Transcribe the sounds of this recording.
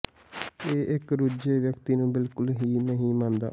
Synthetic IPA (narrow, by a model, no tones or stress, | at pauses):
eːʔɪkɾʊd͡ʒeːʋjəkt̪iːnũːbɪlkʊlɦiːmə̃ɦĩːmãːnd̪a̰ː